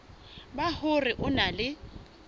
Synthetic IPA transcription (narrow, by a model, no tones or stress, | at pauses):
bahʊrɪʔʊnalɪ